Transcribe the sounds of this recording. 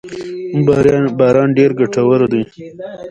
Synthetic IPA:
umbɾbɑːɾɑːnɖeɾɡaʈawəɾd̪uj

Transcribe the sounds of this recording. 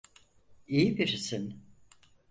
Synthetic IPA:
ijibiɾisin

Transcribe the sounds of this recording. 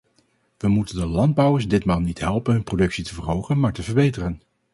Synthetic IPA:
ʋəmutəndəlɑnd̚bʌwəɹsdɪtmaːlˠnitɦɛlˠpənɦɵnprodɵksitəvərɦowχənmaːɹtəvəɹbejtərən

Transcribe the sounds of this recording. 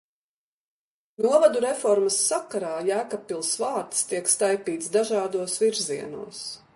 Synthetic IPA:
nuɔvad̪uɾɛfɔɾməsːakaɾaːjæːkapilˠsvaːɾt̪st̪iɛkst̪ajpiːt̪sd̪aʒaːd̪uɔsviɾziɛnṵɔs

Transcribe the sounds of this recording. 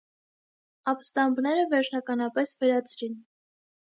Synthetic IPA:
ɑpst̪ɑmbnɛɾəvɛɾt͡ʃʰnɑkɑnɑpɛsvɛɾɑt͡sʰɾin

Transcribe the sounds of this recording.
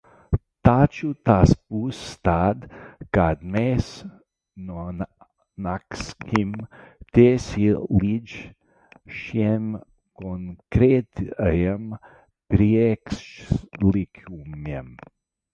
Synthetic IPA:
t̪aːt͡ʃut̪aspust̪ad̪kad̪meːs | non | nakskimt̪ʲesilid͡ʒ | ʃiɛm | konkɾet̪ajɛm | pɾikslikʲʰumɛm

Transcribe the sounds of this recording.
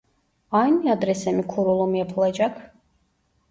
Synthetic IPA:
ajniad̪ɾɛsɛmikʰuɾɔlˠɔmiɛpʰlˠɛd͡ʒakʰ

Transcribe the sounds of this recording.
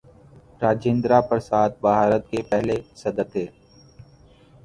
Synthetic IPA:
ɾaːd͡ʒẽːnd̪ɾapəɾsaːt̪̚ʰbaɦaːɾət̪̚kepɛɦlesɐd̪ət̪ɦeː

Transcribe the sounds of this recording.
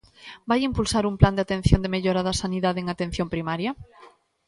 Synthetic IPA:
bajimpulsaɾumpland̪eat̪ẽn̟θjond̪emeʎoɾaðɐsaniðaðeeŋat̪ẽn̟θjompɾimaɾjɐ

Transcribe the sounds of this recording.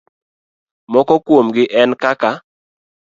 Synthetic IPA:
mɔkɔkwomɡɪʔɛnkaka

